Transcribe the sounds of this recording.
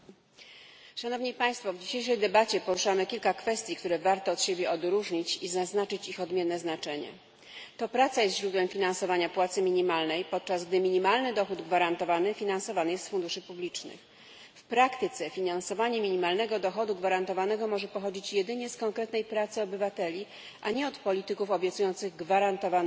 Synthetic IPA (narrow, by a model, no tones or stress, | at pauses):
ʂan̪ɔvɲipaj̃st̪fɔvd͡ʑiɕejʂɛjd̪ɛbat͡ɕɛpɔɾuʂamɘkʲilkakfɛst̪ʲjikt̪uɾɛvaɾt̪ɔːt̪ɕebʲjɛʔɔd̪ɾuʐɲit͡ɕizaznat͡ʂɘt͡ɕixɔd̪mʲjɛnːɛznat͡ʂɛɲɛ̰ | t̪ɔpɾat̪sajɛst̪ʑɾud̪wɛmfʲinansɔvaɲapwat̪sɘmʲiɲimalnɛjpɔt̪̚t͡ʂazɡd̪ɘmʲiɲimalnɘd̪ɔxud̪ɡvaɾant̪ɔvanɘfʲinansɔvanɘjɛst̪fund̪uʂɘpublʲit͡ʂnɘ̰x | fpɾakt̪ɘt̪sɛfʲinansɔvaɲɛmʲiɲimalnɛɡɔd̪ɔxɔd̪uɡvaɾant̪ɔvanɛɡɔmɔʐɛpɔxɔd͡ʑit͡ɕjɛd̪ɘɲɛskɔŋkɾɛt̪nɛjpɾat̪sɘɔbɘvat̪ɛlʲi | ʔaɲɛɔt̪pɔlʲit̪ɘkufɔbʲjɛt̪sujɔnt̪sɘɣɡvaɾant̪ɔva